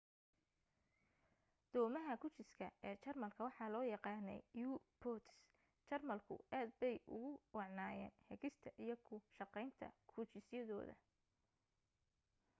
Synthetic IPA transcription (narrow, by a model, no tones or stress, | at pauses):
d̪̥ɔːmɐɦɐkʰʊt͡ʃɪskʰɐɛːt͡ʃɐrmɐlkʰɐwɑħɑːlɔːjɑqɑːnɛ̰jjuːpʰɔt̪ʰs | t͡ʃɐrmɐlkʰʊ̰ʔaːd̪̚bɛjʊ̰ɣʊwɑʕnaːjɛ̰ːnhɛɣɪst̪ʰɐʔijɞkʰʊʃɑqɛjnt̪ʰɐ̰kʰʊt͡ʃɪsjɐðɔːðɐ̰